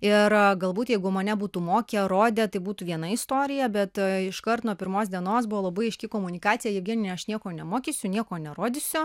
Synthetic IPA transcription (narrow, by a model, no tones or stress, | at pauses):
ɪɾɡɐlˠbuːt̪jɛɪɡʊmɐnʲɛbuːt̪umoːkʲɛɾoːd̪ʲɛt̪ɐɪbuːt̪uːʋʲiɛnɐɪst̪oːɾʲɪjɛbʲɛt̪ɪʃkɐrt̪nuɔpʲɪɾmoːsd̪ʲiɛnoːsbʊʋoːlˠɐbɐɪɪʃʲkʲɪkoːmʊnʲɪkɑːt̪ʲɪjɛjɛpɡʲɪnʲnʲɛɪɐʃnʲiɛkoːnʲɛmoːkʲiːsʲʊnʲiɛkoːnʲɛɾoːd̪ʲɪsʲʊ